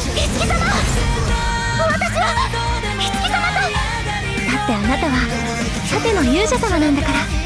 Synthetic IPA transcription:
isɨ̥kʲisama | moβat̪aɕiβa | isɨ̥kʲisamana | d̪at̪ːe̞anat̪aβa | sat̪e̞no̞jɯːʑasamanãnd̪akaɾa

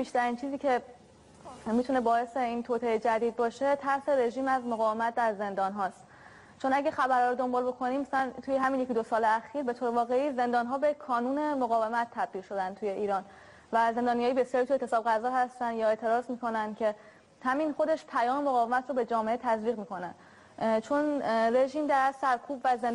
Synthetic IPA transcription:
b̥iːʃt̪æɾiːnt͡ʃʰiːziːcʰe̞ | mit̪ʰune̞bɒːe̞seint̪ʰot̪ʰe̞ed͡ʒæd̪iːd̪̚bɒːʃe̞t̪ʰæɾseɾe̞ʒiːmæzmoɣɒːve̞mæt̪̚ʰd̪æɾze̞nd̪ɒːnɦɒːst̪ | t͡ʃʰo̞næɟæxæbæɾhɒːɾod̪o̞mbɒːlbo̞kʰo̞niːmæsænt̪uːjeɦæminjekid̪osɒːle̞æxiːɾbe̞t̪ʰoːɾevɒːɣe̞iːze̞nd̪ɒːnɦɒːbekʰɒːnuːne̞moɣɒːve̞mæt̪ʰːæb̚d̪iːlʃo̞d̪ænt̪ʰuje̞iːɾɒːn | væze̞nd̪ɒːnijɒːjibe̞sjɒːɾit̪uet̪ʰesɒːbɣæzɒːhæst̪ænd̪jɒːe̞ːt̪ʰe̞ɾɒːzmiːko̞nænd̪̚cʰe̞ | hæminxo̞d̪e̞ʃpʰæjɒːme̞moɣɒːvemæt̪ʰɾobe̞d͡ʒɒːmeʔet̪ʰæzviːɣmiːko̞næ | t͡ʃʰonre̞ʒiːmd̪æɾsæɾkʰuːbvæzen

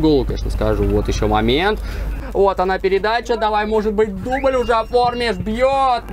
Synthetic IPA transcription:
ɡolˠʊkḛʂnəskaʐuvot̪jɪɕːomɐmʲe̞nt̪vot̪ɐnapʲɪɾʲɪd̪at͡ɕəd̪ɐvajmo̞ʐɨt̪̚bɨt̚ʲd̪uməlʲʊʐɛɐformʲɪzbʲjot̪̚

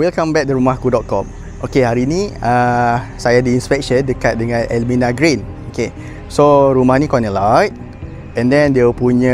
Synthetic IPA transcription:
wilkãmbɛk̚duɾumahkudɔt̪̚kɔm | ʔokehaɾinĩəsajadəinspɛk̚ʃəndəkat̪̚dəŋãnʔɛlmĩnaɡɹen | oke | soɾumahnikɔnəlajt̚ | ɛ̃ndɛ̃ndiəpuɲə̃

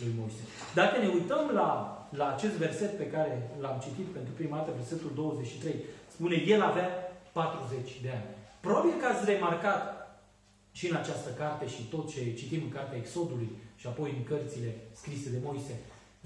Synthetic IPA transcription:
lujmo̞jse̞ | d̪akəne̞ujt̪əmlalaːt͡ʃe̞st̪ve̞rse̞t̪pe̞kaɾe̞lamt͡ʃit̪it̪pe̞nt̪ɾupɾimad̪at̪əve̞rse̞t̪uld̪o̞wəzet͡ʃʲʃit̪ɾejspune̞je̞lavapat̪ɾuze̞t͡ʃʲd̪e̞anʲpɾobabijekat̪sʲre̞markat̪ | ʃiɨnat͡ʃast̪əkart̪e̞ʃit̪ot̪t͡ʃe̞t͡ʃit̪imɨŋkart̪eaekso̞d̪ulujʃiapo̞jɨŋkərt̪sile̞skɾise̞d̪e̞mo̞jse̞

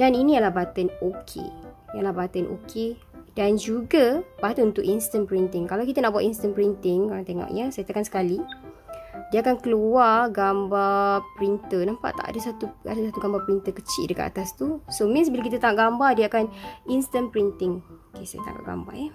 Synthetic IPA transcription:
daninĩjalahbat̪ənokʰḛjalahbat̪ənʔo̰kʰe | dand͡ʒuɡabat̪ənunt̪ʊkʔinst̪ənpɾint̪ɪŋkalawkit̪anaʔbuat̪inst̪ənpɾint̪ɪŋoɾaŋt̪eŋɔ̰ʔɲasajat̪akansə̥kali | diəakankəluarɡambapəɾint̪ənampa̰ʔt̪a̰ʔa̰dasat̪ua̰dasat̪uɡambapɾint̪əkət͡ʃḭʔdəka̰t̪a̰t̪ast̪usomĩnsbilakit̪at̪aŋaʔɡambadiəakaninst̪ənpɾint̪ɪŋokesa̰ja̰t̪a̰ŋa̰ʔɡa̰mba̰rjɛ

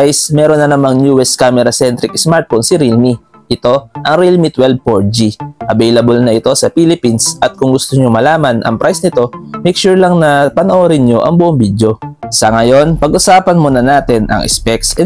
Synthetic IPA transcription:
ajsmɛːɾonːɐnɐmaŋnjuʔɛskaːmɛɾɐsɛnt̪ɾɪksmaɹt̪̚fonsɪɾilmi | ʔɪt̪o̞ʔɐŋɾilmit̪wɛlb̚poɹd͡ʒiʔɐbɛjlɐbolnɐʔɪt̪o̞sɐpilɪpinsʔɐt̪̚kʊŋɡʊst̪oɲomɐlaːmɐnʔɐ̰ŋpɾajsnɪt̪o̞mɛjk̚ʃuɹlɐŋnɐpɐnɐʔoɾɪnɲo̞ʔɐŋbʊʔoŋbid̪jo̞sɐŋɐjo̞npɐɡʔʊsaːpɐnmonɐnaːt̪ɪnʔɐ̰ŋʔɪ̰spɛk̚sɛ

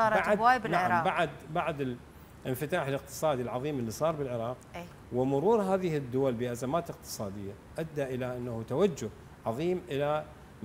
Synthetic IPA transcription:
ɑːɾˤbawaːjbɪnlaʕɾɑːbaʕd̪baʕd̪ɪl | ʔɪnfɪt̪aːħɪlɪq̚t̪ɨ̥sˤɑːd̪ilʕɑðˤiːmɪlːisˤɑːɾˤbɪlʕɪɾˤɑːq | wɪmʊɾuːɾɦaːðɪhɪd̪ːʊwalbɪʔazamaːt̪ɪqt̪ɨ̥sˤɑːd̪ɪjːa | ʔad̪ːaʔɪlaʔanːahut̪awad͡ʒːʊh | ʕɑðˤiːmʔɪla

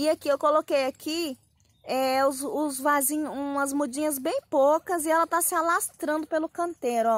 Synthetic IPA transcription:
ɪakiewkolokejakʰi | ɛʊzʊzvazĩɲũɐzmud͡ʒĩɲɐzbẽj̃pokɐzɪɛlɐt̪asɪalast̪ɾɐ̃nd̪ʊpelʊkɐ̃nt̪eɾʊɔ

